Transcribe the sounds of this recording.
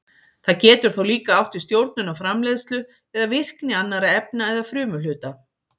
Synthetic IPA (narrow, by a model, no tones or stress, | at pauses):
θaðcɛːt̪ʏɾ̥θowliːkaawht̪ist̪jowɾt̪̚nʏnawfɾamleːðst̪lʏ | ɛðavɪr̥knɪanːaɾaɛpnaɛðafɾʏːmʏlʏːt̪a